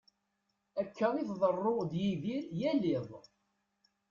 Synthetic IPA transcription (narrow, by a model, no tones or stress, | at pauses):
ækʰːəɾiθðˤərˤːod̪jiðiɾjælɪðˤ